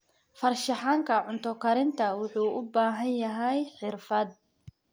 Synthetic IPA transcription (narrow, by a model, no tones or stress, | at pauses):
fɐrʃɐħaːŋkʰɐʕʊnt̪ʰɔkʰɐɾɪnt̪ʰɐwʊħuːʔʊbaːɦɐnjɐɦɛjħɪrfɐd̪̚